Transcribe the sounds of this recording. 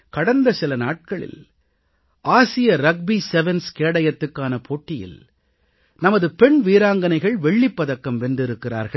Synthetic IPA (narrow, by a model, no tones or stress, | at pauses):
kɐɽɐnd̪ɐsɪlɐnaːʈ̚kɐɭɪ̰l | ʔaːsɪjɐɾɐɡ̚bisɛʋɛnskeːɽɐjɐt̪ːɯkːaːnɐpʰoːʈːɪjɪ̰l | nɐmɐðɯpɛɳʋiːɾaːŋɡɐnɐɪɣɐɭʋɛɭːɪpːɐðɐkːɐmʋɛndɪɾɯkːɪra̰ːɾɣɐ